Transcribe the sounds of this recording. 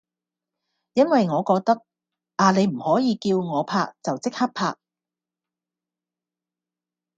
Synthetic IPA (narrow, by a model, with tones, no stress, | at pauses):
jɐ˥nwɐ˨jŋɔː˨˧kɔː˧k̚t̪ɐ˥k̚ | ʔaː˨ne˨˧jm̩˨˩hɔː˨˥jiː˨˧kiː˧wŋɔː˨˧pʰaː˧k̚t͡sɐ˨wt͡sɪ˥k̚hɐ˥p̚pʰaː˧k̚